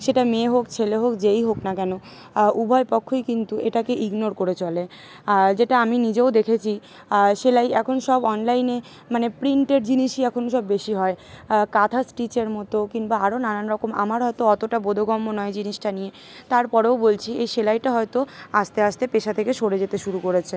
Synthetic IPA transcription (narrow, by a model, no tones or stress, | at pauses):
ʃeʈameɦokt͡ɕʰeleɦokd͡ʑejɦoknakɛno | ubʱɔepɔkʰːojkint̪uʔeʈakeʔiɡnoɾkoɾet͡ɕʰɔle | d͡ʑeʈaaminid͡ʑeod̪ekʰet͡ɕʰi | ʃelajɛkʰonʃɔbɔnlajne | manepɾiɳʈeɾd͡ʑiniʃiɛkʰonoʃ̬ɔbːeʃiɦɔekat̪ʰasʈit͡ɕeɾmɔt̪okiŋbaaɾonaɾanɾɔkoma̰maɾɦɔet̪oɔt̪oʈabod̪ʱoɡɔmːonɔed͡ʑiniʃʈanije | t̪aɾpɔɾeobolt͡ɕʰiejʃelajʈaɦɔet̪oaʃt̪eaʃt̪epeʃat̪ʰekeʃoɽed͡ʑet̪eʃuɾukoɾet͡ɕʰe